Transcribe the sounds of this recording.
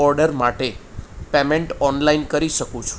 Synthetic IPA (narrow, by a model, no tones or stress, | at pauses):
ɔɾɖəɾmaʈepemeɳʈɔnlainkəɾiʃəkũt͡ʃʰu̥